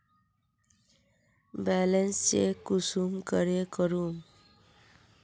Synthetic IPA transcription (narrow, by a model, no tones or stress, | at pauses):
balensːekusumkʌɾekʌɾum